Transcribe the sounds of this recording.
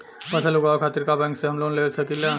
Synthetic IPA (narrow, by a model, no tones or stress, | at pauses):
pəsəluɡakʰat̪iɾkabãŋkseɦəmlonlelsəkila